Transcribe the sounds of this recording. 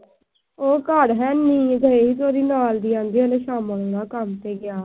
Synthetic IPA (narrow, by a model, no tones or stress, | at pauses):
oːkaɽɦɛːniːd̪əeːɦiːt̪ʰaːɾiːnaːld̪iːãːnd̪iːənẽːʃaːməlnaːkəmt̪eːɡɪjaː